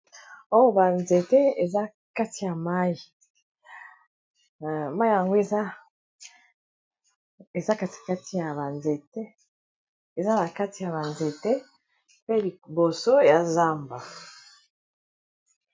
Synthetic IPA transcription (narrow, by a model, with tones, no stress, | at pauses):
o˦wo˦ba˨nze˨te˦e˨za˦ | ka˦ti˨ja˨ma˦ji˨ | ma˦ji˦ja˨ŋɡo˦e˨za˦ | e˨za˦ka˦ti̥˨ka˦ti˨ja˨βa˨nze˨te˦ | e˨za˦na˨ka˦ti˨ja˨βa˨nze˨te˦ | pe˦li˨bo˨so˦ja˨za˦mba˨